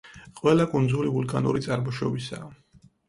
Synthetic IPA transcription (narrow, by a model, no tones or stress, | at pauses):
qʼwɛlˠakʼund̪zulivulˠkʼanṵɾit̪sʼaɾmɔʃɔbisa̰ː